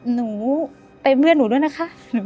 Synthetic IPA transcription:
nuː˩˦ | pe˧nbɯ˥˩ənːuː˩˦du˥˩əjna˥kʰa˦˥ʔ | nu˨˦

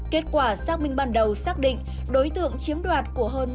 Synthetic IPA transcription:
ke˦˥t̚kwaː˧˩saː˦˥k̚mï˧ŋ̟ɓaː˧nɗə˨˩wsaː˦˥k̚ɗḭ̈˧˨ŋ̟ | ɗo˨˦jt̪ɨ̰˧˨əŋt͡ɕi˨˦əmɗwaː˨˩t̚ku˧˩əɦəː˧n

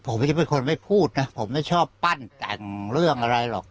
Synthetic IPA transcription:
pʰo˩˦mt͡ɕa˨˩pe˧nkʰo˧nma˥˩jpʰuː˥˩t̪̚na˦˥pʰo˩˦mːa˥˩jt͡ɕʰɔː˥˩pːa˥˩nt̪ɛ̰˨˩ŋɾɯ˥˩əŋʔa˧ɾa˧jlɔ̰˨˩k̚

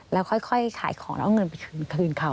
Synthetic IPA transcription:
lɛː˦˥wkʰɔ˥˩jkʰɔ˥˩jkʰa̰ː˨˩˦jkʰɔː˩˦ŋlɛː˦˥wŋɤ˧np̬a˧jkʰɯː˧nkʰɯː˧nkʰa˧˩w

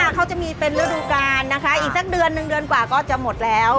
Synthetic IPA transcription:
kʰa˦˥wt͡ɕa˨˩miː˧pe˧nɾa˦˥duː˧kaː˧nːa˦˥kʰa˦˥ʔiː˨˩k̚sa˨˩k̚dɯ˧ənːɯ˨˩ŋdɯ˧ənkwaː˨˩kɔː˥˩t͡ɕa˨˩mo˨˩t̪̚lɛː˦˥w

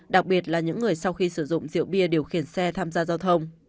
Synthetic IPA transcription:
ɗa˨˩k̚ɓi˨˩ət̚laː˨˩ɲɨ̰˧˥ŋːɨ˨˩əjsa˧wxi˧sɨ˧˩zʊ̰˧˨ŋ͡mzḭ˧˨əwɓi˧əɗe˨˩əwxi˧˩ənsɛ˧t̪ʰaː˧mzaː˧zaː˧wt̪ʰə˧wŋ͡m

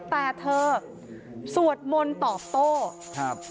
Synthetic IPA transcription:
t̪ɛː˨˩t̪ʰɤː˧ | su˨˩ət̪̚mo˧nt̪ɔː˨˩p̚t̪oː˥˩ | kʰa˦˥p̚

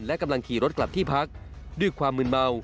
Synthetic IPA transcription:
nlɛ˦˥ka˧mla˧ŋkʰiː˨˩ɾo˦˥t̪̚kla˨˩p̚t̪ʰiː˥˩pʰa˦˥k̚du˥˩jkʰwaː˧mːɯ˧nma˧w

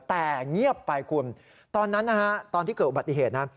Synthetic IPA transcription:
t̪ɛː˨˩ŋi˥˩əpːa˧jkʰu˧ən | t̪ɔː˧nːa˦˥nːa˦˧kʰa˦˥t̪ɔː˧nt̪ʰiː˥˩kɤː˨˩t̪ʔu˧ba˨˩t̪ːi˨˩ɦeː˨˩t̪̚na˦˥

